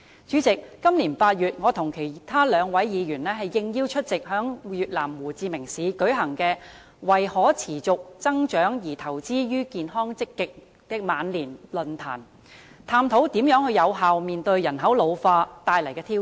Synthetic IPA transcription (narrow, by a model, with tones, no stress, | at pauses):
t͡ʃyː˨˥t͡sɪ˨kːɐ˥mliː˨˩npaː˧t̚jyː˨t̚ŋɔː˨˧t̪ʰʊ˨˩ŋkʰe˨˩jt̪ʰaː˥lœː˨˧ŋwɐ˨˥jjiː˨˧jyː˨˩nlɛː˥hɐ˨jːɪ˧ŋji˥wt͡ʃʰɵ˥t̚t͡sɪ˨k̚hœː˨˥ŋjyː˨t̚laː˨˩mwuː˨˩t͡siː˧mɪ˨˩ŋsiː˨˧kɵ˨˥ɥɦɐ˨˩ŋkɛː˧ | wɐ˨jhɔː˨˥t͡sʰiː˨˩t͡sʊ˨k̚t͡sɐ˥ŋt͡ʃœː˨˥ŋjiː˨˩t̪ʰɐ˨˩wt͡siː˥jyː˥kiː˨˧nɦɔː˥ŋt͡sɪ˥kːɪ˨k̚ | t̪ɛ˨˧maː˨˧nliː˨˩nlɵ˨nt̪ʰaː˨˩n | t̪ʰaː˧mt̪ʰo˨˥wt̪iː˨˥mjœː˨˥ŋhɵ˧jɐ˨˧wɦaː˨wmiː˨˩nt̪ɵ˧ɥjɐ˨˩nɦɐ˨˥wlo˨˧wfaː˧t̪aː˨˧jlɐ˨˩jkɛː˧t̪ʰiː˥